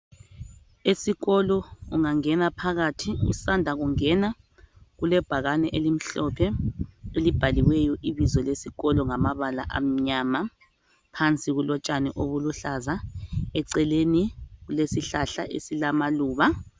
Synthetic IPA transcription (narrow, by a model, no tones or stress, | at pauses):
esiɣɔlɔuŋaŋɛnapʰaɣatʰiṵsandʱaɣuŋɛna | ɣulɛb̥ʱaɣanɛʔelim̩ɬɔpʰɛelib̥ʱaliwɛjɔʔiβizɔlesiɣɔlɔŋamaβala̰ʔa̰m̩ɲama | pʰant͡sʼiɣulɔt͡ʃʼanɛ̰ʔoβuluɬazaɛǀɛleniɣulesiɬaɬa̰ʔḛsilamaluːβa